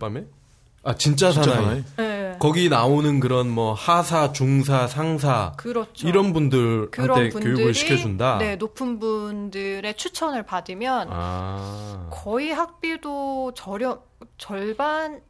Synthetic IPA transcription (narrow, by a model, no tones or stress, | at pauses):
p͈ame | at͡ɕint͡ɕ͈as̬ʰanaekʌɡinaonɯnkɯɾʌnmwʌhasʰat͡ɕuŋsʰasʰaŋs̬ʰakɯɾʌt͡ɕʰiɾʌnbundɯɾkɯaɾʌe̞punkjojuɡɯɭɕʰi̥kʰjʌd͡ʑundane̞nopʰɯnbundɯɾe̞t͡ɕʰut͡ɕʰʌnɯɭpadɯmjʌna̰ | kʌiɦak̚p͈idot͡ɕʌɾjʌ | t͡ɕʌɭban